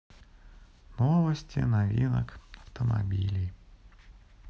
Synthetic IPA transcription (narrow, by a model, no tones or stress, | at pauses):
novəsʲtʲɪ̰navʲinə̰kɐft̪əma̰bʲilʲij